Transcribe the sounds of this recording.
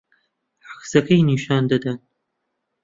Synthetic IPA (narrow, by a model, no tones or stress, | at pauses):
ħaxsɐkʰɐjniːʃɑːnd̪ɐd̪ɐn